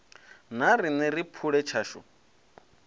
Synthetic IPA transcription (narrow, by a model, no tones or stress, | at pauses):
naɾinɛɾipʰuɺɛt͡ʃʰaːʃɔ̰